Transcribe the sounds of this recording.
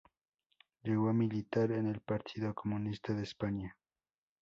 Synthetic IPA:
ʎeɣomilit̪aɾenelpaɾt̪ʰiðokomunist̪aðeːspaɲa

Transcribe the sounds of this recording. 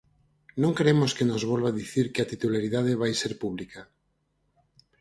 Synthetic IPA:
nõŋkɾeemoskenozβolβaðiθiɾkeat̪it̪ulaɾið̞að̞eβajseɾpuβ̞lika

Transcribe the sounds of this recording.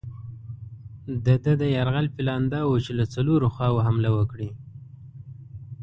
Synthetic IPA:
d̪əd̪əd̪əjaɾɣalfɪlɑnd̪ɑwot͡ʃelat͡saloɾoxɑwoɦamlawəkɽi

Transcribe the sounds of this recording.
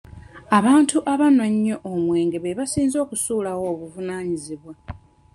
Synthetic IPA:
aβaːntuʔaβanwaɲːo̞ʔomwe̞ːŋɡe̞βeβasiːnzo̞ːkusuːlawo̞ːβuvunaːɲiziβwa

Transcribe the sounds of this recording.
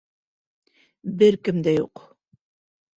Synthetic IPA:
bɘɾkɘ̆md̪æjṵq

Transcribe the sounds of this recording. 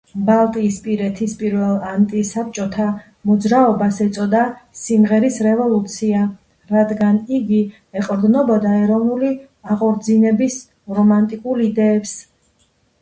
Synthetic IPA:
balˠt̪ʼiːspʼiɾɛt̪ʰispʼiɾvɛlˠant̪ʼisap̚t͡ʃʼɔt̪ʰa | mɔd̪zɾaɔbasɛt̪sʼɔd̪asimʁɛɾisɾɛvɔlˠut̪sʰia | ɾad̪ɡaniɡi | ɛqʼɾd̪nɔbɔd̪aɛɾɔvnuli | aqʼɔɾd̪zinɛbis | ɾɔmant̪ʼikʼuɾid̪ɛːps

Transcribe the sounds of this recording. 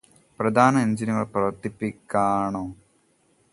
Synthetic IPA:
prɐd̪ʱaːnɐeɲd͡ʑinuŋɐɭprɐʋɐrt̪ːipːikʲːaːɳoː

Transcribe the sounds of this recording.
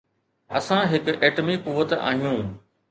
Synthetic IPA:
ɐsãɦɪkʔeːʈmikuʋət̪a̰ːɦijũː

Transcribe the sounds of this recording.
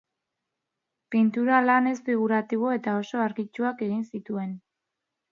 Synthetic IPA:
pint̪uɾalane̞sfiɣ̞uɾat̪iβo̞e̞t̪ao̞so̞aɾɣit͡ʃuake̞ɣinsit̪ue̞n

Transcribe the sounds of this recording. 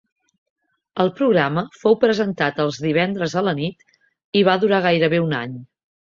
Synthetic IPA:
əlˠpɾuɣɾaməfowpɾəzənt̪at̪əlˠzðiβ̞ɛnd̪ɾəzələnit̪ | iβ̞aðuɾaɣ̞ajɾəβeuna̰ɲ

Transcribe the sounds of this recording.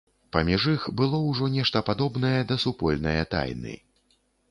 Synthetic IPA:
pɐmʲiʐixbɨlˠɔwʐɔnʲɛʂt̪ɐpad̪ɔbn̪ɐjɛd̪ɐsupɔlʲnɐ̰jɐt̪a̰jnɨ̰

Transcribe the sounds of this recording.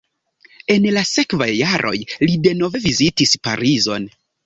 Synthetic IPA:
e̞nlase̞kvajːaɾʔo̞̰jlide̞no̞ve̞vizitispa̰ɾizo̞n

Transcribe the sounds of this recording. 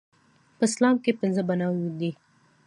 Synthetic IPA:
pəslɑmkepɪnzəbanɑwjud̪i

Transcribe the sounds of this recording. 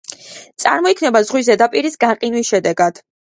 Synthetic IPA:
t̪sʼa̰ɾmɔikʰnɛbazʁwizɛd̪apʼiɾisɡaqʼinwisʃɛd̪ɛɡad̪̥

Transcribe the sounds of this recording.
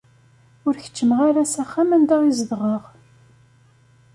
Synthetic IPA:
ʊɾçə̥t͡ʃːəmʁaɾæsæχːæmænd̪aʁizəðʁəʁ

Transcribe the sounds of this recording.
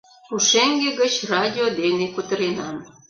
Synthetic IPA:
uʃeŋɡeɣət͡ɕrɑdʲiod̪enekut̪əɾenɑm

